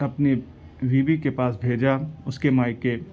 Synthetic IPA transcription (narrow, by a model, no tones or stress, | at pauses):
ɐpne | ʋiːbikepaːsbʱeːd͡ʒaʊskemaːkːe